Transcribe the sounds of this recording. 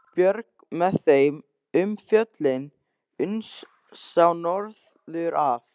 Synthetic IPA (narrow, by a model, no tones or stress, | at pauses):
pjœɾk̚ | mɛðθejm | ʏmfjœt̪lɪn | ʏnsː | awnɔɾð | ðʏɾʔaf